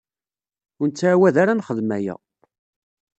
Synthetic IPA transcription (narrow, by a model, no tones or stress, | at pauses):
ʊnt͡sːaʕwæðaɾanχəðmæjæ̰